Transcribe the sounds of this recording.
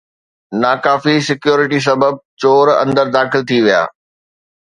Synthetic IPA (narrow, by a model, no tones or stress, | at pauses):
naːkaːfisɪkjoːɾɪʈis̬ɐbəb̚t͡ɕoːɾɐ̰̃nd̪əɾd̪aːxɪlt̪ʰiʋija̰ː